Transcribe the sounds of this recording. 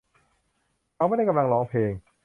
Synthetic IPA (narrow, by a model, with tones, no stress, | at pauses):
a˧wma˥˩da˥˩jka˧mla˧ŋlɔː˨˧ŋpʰleː˧ŋ